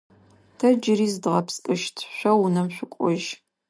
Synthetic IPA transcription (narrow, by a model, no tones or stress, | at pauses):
tʰɐd͡ʒɪɾiːzdʁɐpskʼɨʃtʰɕʷɐwunɐmɕʷʊkʷʼɔʒ